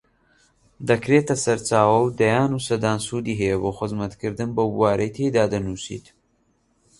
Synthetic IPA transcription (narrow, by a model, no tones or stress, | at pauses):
d̪ɐkɾeːt̪ɐsɐɾt͡ʃaːwɐwd̪ɐjaːnusɐd̪aːnsuːd̪iːɦɐjɐboːxɨzmɐt̪kʰɨɾd̪ɨnbɐbuwaːɾɐjt̪ʰejd̪aːd̪ɐnuːsḭːt̪